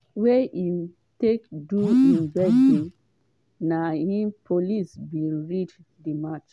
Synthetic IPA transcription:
wɛʔi | tekduĩnvɛʃĩn | nahĩpʰolisbĩnɹit͡ʃ | dimat͡ʃ

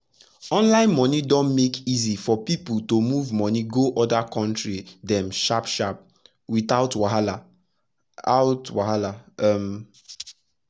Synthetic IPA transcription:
ɔ̃nlãɪ̃nmɔnidɔ̃nmekizifɔpiputomuvmɔniɡoʔɔdakɔ̃ntɹidɛ̃mʃapʃap̚ | witaʊtwaɦala | aʊtwaɦalam

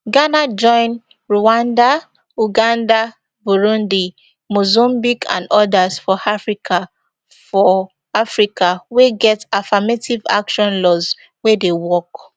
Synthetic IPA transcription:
ɡanad͡ʒɔ̃ɪ̃n | ɹuãnda | uɡãnda | buɹũndi | mozɔ̃mbikʰã̰ndɔdasfɔafɹikʰa | fɔ | afɹikaweɡɛtafametiva̰kʃɔ̃nlɔz | wedewɔk

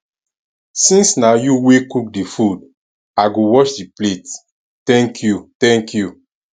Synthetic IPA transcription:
sĩnsnajuwekuk̚difud | aɡowɔt͡ʃdiplet | tɛ̃ŋkʰjutɛ̃ŋkju

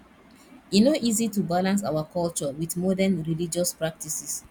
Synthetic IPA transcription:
inoʔizitubalãns̬a̰ʊakɔlt͡ʃɔwiθmɔdɛ̃nɹilid͡ʒɔspɹak̚tisis

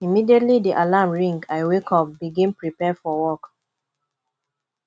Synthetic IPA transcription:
imidietlidiʔalamɹĩŋɡaɪwekʰɔp̚biɡĩnpɹipɛfɔwɔk

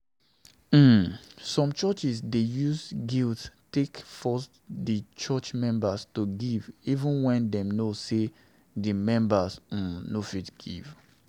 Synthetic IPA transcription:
m̩sɔ̃mt͡ʃɜt͡ʃisdejuzɡilttekfɔs | dit͡ʃɜt͡ʃmɛ̃mbastuɡivivə̃nwɛ̃ndɛ̃mnose | dimɛ̃mbas̩nofitɡ̥ḭv̥

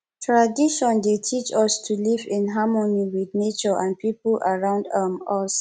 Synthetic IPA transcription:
tʰɹadiʃɔ̃ndetʰit͡ʃɔstʰulivĩnɦamoniwidnet͡ʃɔʔãnpʰipulʔaɹãʊ̃ndamɔs

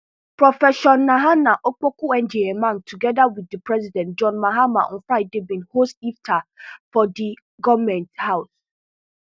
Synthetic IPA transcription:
pɾɔfɛʃɔ̃nːãɦanãʔok͡pokʊɛ̃nd͡ʒeɛmãntʰuɡɛdawidːəpɹɛzidɛ̃ntd͡ʒɔ̃nmaɦamã̰ɔ̰̃nfɾaɪdebĩnhostiftʰafɔdi | ɡɔvmɛ̃nthaʊs

